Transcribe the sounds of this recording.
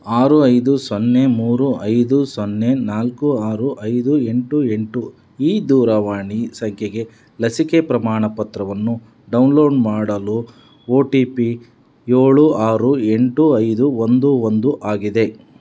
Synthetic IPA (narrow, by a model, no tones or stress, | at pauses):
aːɾuɐjd̪usonːe̞muːɾuʔɐjd̪usonːe̞naːlkuaːɾuʔɐjd̪ue̞ɳʈue̞ɳʈu | iːd̪uːɾɐʋaːɳisɐŋkʰjeɡe̞ | lɐsikepɾɐmaːɳɐpɐt̪ɾɐʋɐnːu | ɖɐwnlo̞ːɖmaːɽɐlu | oːʈiːpi | joːɭuaːɾue̞ɳʈuɐjd̪uond̪uond̪uʔaːɡid̪e̞